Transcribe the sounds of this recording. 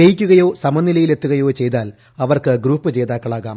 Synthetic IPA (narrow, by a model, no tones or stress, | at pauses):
ejikʲːuɣɐjo̞ːsɐmɐnːilɐjile̞t̪ːuɣɐjo̞ːt͡ɕe̞jt̪aːl | ɐʋɐrkɨɡruːpːɨt͡ɕe̞ːd̪aːkːɐɭaːɣaːm